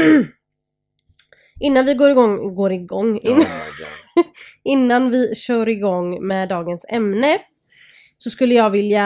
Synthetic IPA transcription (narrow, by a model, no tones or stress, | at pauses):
ʔɪnːanvɪɡoːɾɪɡɔŋɡoːɾɪɡɔŋː | ɪnːanvɪɕœːɾɪɡɔŋːmɛːd̪ɑːɡənsɛmnə | sɔskɵlːəjɑːɡvɪlja